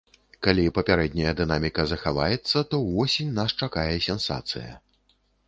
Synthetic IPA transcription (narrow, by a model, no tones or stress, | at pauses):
kalʲipɐpʲaɾɛd̪ʲnʲɐjɐd̪ɨnamʲikɐzɐxava̰jɛt̪sːɐt̪ɔvɔsʲinʲnast͡ʂakajɛsʲɛnsa̰t̪sɨ̰jɐ̰